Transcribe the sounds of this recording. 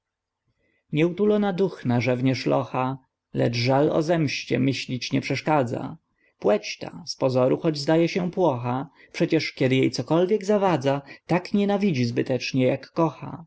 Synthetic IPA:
ɲɛut̪ulɔnad̪uxnaʐɛvɲɛʂlɔ̰xa | lɛ̰t͡ʂʐalɔ̰zɛmɕt͡ɕɛ̰mɘɕlʲit͡ɕɲɛpʂɛʂkad̪za̰ | pwɛt͡ɕt̪a̰spɔzɔɾuxɔd͡ʑzd̪ajɛɕɛpwɔxa | pʂɛt͡ɕɛʂkʲɛd̪ɘjejt̪sɔkɔlvʲjɛɡzavad̪zat̪akɲɛnavʲid͡ʑizbɘt̪ɛt͡ʂɲɛjakːɔxa̰

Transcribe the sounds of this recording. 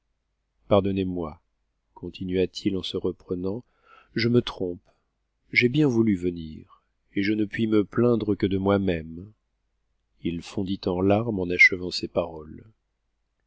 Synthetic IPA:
paʁd̪ɔnemwa | kʰɔ̃t̪ʰinɥat̪ʰilɑ̃səʁəpχənɑ̃ | ʒəmət̪χɔ̃p | ʒebjɛ̃vulyvəniʁ | eʒənəpɥiməplɛ̃d̪ʁəkəd̪əmwamɛm | ilfɔ̃d̪it̪ɑ̃laʁmɑ̃naʃəvɑ̃sepaʁɔl

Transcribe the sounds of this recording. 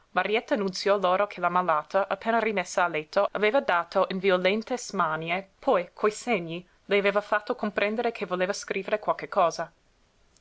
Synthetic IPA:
maɾiɛt̪ːanunt̪sjɔloːɾokʰelamalaːt̪aʔapːeːnarimesːaːlːet̪ʰːoaveːvad̪aːt̪ʰoʔinviolɛnt̪esmanjepʰɔjkʰojseɲːi | lejaveːvafat̪ːokompɾɛnd̪eɾekʰevoleːvaskɾʔiːveɾekwalkekʰːɔːza

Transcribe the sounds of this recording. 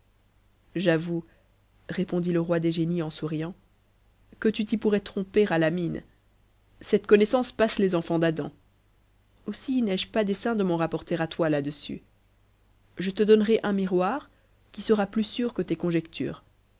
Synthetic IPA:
ʒavu | ʁepɔ̃d̪iləʁwad̪eʒeniɑ̃suʁijɑ̃ | kət̪yt̪ipuʁɛt̪χɔ̃peʁalamin | sɛt̪kɔnɛsɑ̃spaslezɑ̃fɑ̃d̪ad̪ɑ̰̃ | osinɛʒpad̪esɛ̃d̪əmɑ̃ʁapɔʁt̪eʁat̪walad̪əsy̰ | ʒət̪əd̪ɔnʁeʔɛ̃miʁwaːʁ | kʲisəʁaplysyʁkət̪ekɔ̃ʒɛkt̪ʰy̰ːʁ

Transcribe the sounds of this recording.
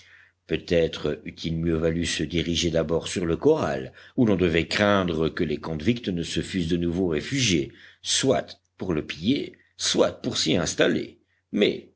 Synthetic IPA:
pøt̪ɛt̪χəyt̪ʰilmjøvalysəd̪iʁiʒed̪abɔʁsyʁləkɔʁa̰lulɔ̃d̪əvɛkχɛ̃d̪ʁəkəlekɔ̃d̪vikt̪nəsəfys̬d̪ənuvoʁefyʒjeswa̰t̪ | puʁləpije | swat̪̚puʁsiɛ̃st̪alḛ | mɛ̰

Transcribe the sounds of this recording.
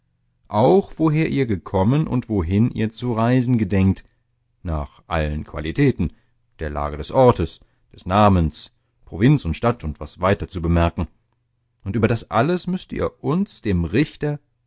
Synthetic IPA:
ʔaʊxv̥oɦeːɐʔiːɐɡəkʰɔmənʔʊ̰ntv̥oɦɪnʔḭːɐt͡suʁaɪzn̩ɡədɛŋk̚t | na̰ːχʔa̰lənkv̥a̰litʰɛːtn̩ | d̥eːɐla̰ːɡədɛsʔɔɐtəs | d̥ɛsnaːməns | pʁ̥ovɪnt͡sʊntʃtatʊntv̥asv̥aɪtɐt͡subəmɛɐkŋ̩ | ʔʊntʔyːbɐdasʔa̰ləsmʏstəʔḭːɐʔʊnsd̥eːmʁɪçtɐ

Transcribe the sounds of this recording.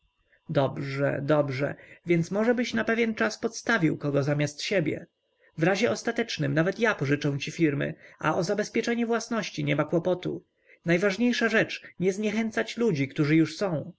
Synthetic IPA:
d̪ɔbʐɛ̰d̪ɔbʐɛ̰vʲjɛnt̪smɔʐɛbɘɕnapɛvʲjɛnt͡ʂaspɔt̪st̪avʲiwkɔɡɔzamʲjast̪ɕɛbʲjɛ̰ | vɾaʑɛʔɔst̪at̪ɛt͡ʂnɘmnavɛt̪japɔʐɘt͡ʂɛ̃w̃t͡ɕifʲiɾmɘ̰a̰ʔɔzabɛspʲjɛt͡ʂɛɲɛvwasnɔɕt͡ɕiɲɛmakwɔpɔt̪ṵ | najvaʐɲejʂaʐɛt͡ʂɲɛzɲɛxɛnt̪sat͡ɕlud͡ʑikt̪uʐɘjuʂsɔ̃w̃

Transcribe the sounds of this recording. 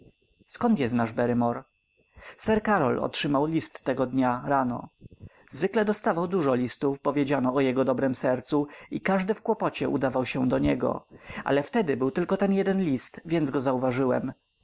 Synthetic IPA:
skɔnt̪jɛst̪naʐbɛɾɘmɔɾ | sɛɾkaɾɔlɔ̰tʂɘmawlʲist̪ːɛɡɔd̪ɲaɾanɔ̰ | zvɘklɛd̪ɔst̪avawd̪uʐɔlʲist̪ufpɔvʲjed͡ʑanɔːjɛɡɔd̪ɔbɾɛmsɛɾt̪suikaʐd̪ɘfkwɔpɔt͡ɕɛṵd̪avawɕɛd̪ɔɲɛɡɔ̰ʔa̰lɛft̪ɛd̪ɘbɘwt̪ɘlkɔt̪ɛnjɛd̪ɛnlʲist̪vʲjɛnd̪zɡɔzauvaʐɘwɛ̰m

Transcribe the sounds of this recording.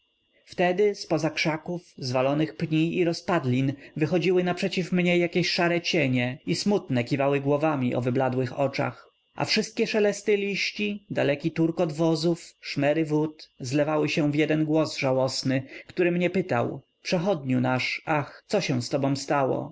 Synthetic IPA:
ft̪ɛd̪ɘspɔzakʂakufzvalɔnɘxpɲiːɾɔspad̪lʲinvɘxɔd͡ʑiwɘnapʂɛt͡ɕifmɲɛjakʲeɕʂaɾɛt͡ɕeɲɛismut̪nɛkʲivawɘɡwɔvamʲiʔɔ̰vɘblad̪wɘxɔt͡ʂa̰x | ʔa̰fʂɘst̪̚kʲɛʂɛlɛst̪ɘlʲiɕt͡ɕid̪alɛkʲit̪uɾkɔd̪vɔzufʂmɛɾɘvut̪zlɛvawɘɕɛ̃vʲjɛd̪ɛnɡwɔzʐawɔsnɘkt̪uɾɘmɲɛpɘt̪a̰w | pʂɛxɔd̪̚ɲunaʂaxt̪sɔɕɛ̃w̃st̪ɔbɔ̃w̃st̪awɔ̰

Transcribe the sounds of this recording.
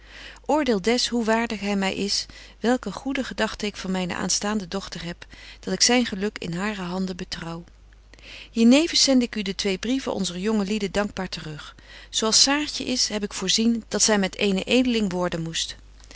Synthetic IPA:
ʔʊːɹdɪːlˠdɛsɦuʋaːɹdəχɦɛjmɛjʔɪs | ʋɛlˠkəχudəχədɑχtəɪkfɑnmɛjnə̰ʔa̰ːnstaːndədɔχtərɦɛpd̥ɑtɪksɛjnχəlɵkɪ̰nɦaːrəɦɑndəbətrɑw | ɦiːɹnejvənsɛndɪkydətʋejbrivəʔɔ̰nzərjɔŋəlidədɑŋɡ̚baːɹtərɵχ | sowɑlˠsaːɹtə̰ʔɪsɦɛp̬ɪkfʊːɹzind̥ɑtsɛjmɛtejnəʔejdəlɪŋʋʊːɹdənmust

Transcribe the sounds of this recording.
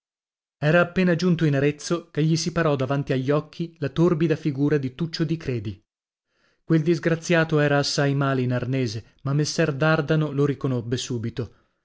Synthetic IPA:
ɛːɾaːpːeːnad͡ʒunt̪oinaɾet̪sːokeʎːisipaɾɔd̪avant̪iaʎːɔkʰːilat̪orbid̪afiɡuːɾad̪it̪ut͡ʃːod̪ikɾɛːd̪i | kweld̪izɡɾat̪sːjaːt̪oɛːɾaːsːajmaːleinarnɛːze | mamːesːɛrd̪ard̪anoloɾikonobːesuːbit̪o

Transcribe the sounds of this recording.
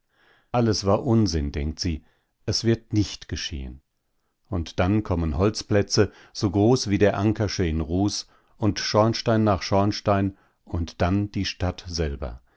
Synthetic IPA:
ʔaləsv̥aːɐʔʊnzɪndɛ̰ŋk̚tz̥iː | ʔɛsv̥ɪɐtnɪçtɡ̥əʃḛːə̰n | ʊntd̥ankʰɔmənhɔlt͡splɛt͡sə | z̥oːɡʁoːsv̥iːdeːɐʔaŋkʰaʃəɪnʁuːs | ʊntʃɔɐnʃtaɪnːaːχʃɔɐnʃtaɪn | ʔʊntd̥and̥iːʃtatz̥ɛlbɐ̰

